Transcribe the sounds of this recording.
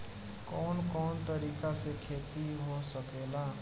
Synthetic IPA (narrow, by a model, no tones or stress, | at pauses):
kɔːnkɔːnt̪əɾiːkasekʰeːt̪iɦosəkeːlaː